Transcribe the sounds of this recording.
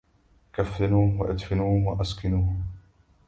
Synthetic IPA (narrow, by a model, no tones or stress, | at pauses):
kafːɪnuːhwaʔad̪fɪnuːhʊmwaʔaskɪnuːhm